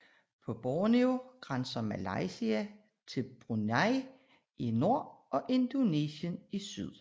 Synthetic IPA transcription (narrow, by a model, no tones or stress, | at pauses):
pʰɒ̽b̥ɒːnioɡ̥ʁɑnsɐmælɑɪsiæ | t͡sʰe̝lb̥ʁunæɪ | ino̝ɐ̰ɒ̽ʔe̝nd̥o̝nḛːɕənisyð̞̰ˠ